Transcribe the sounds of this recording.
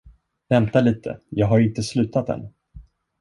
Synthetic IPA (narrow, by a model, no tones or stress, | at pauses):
vɛmt̪aliːt̪ʰə̰jɑːɡɦaɾɪnt̪əslʉ̟ːt̪at̪̚d̪ɛ̰n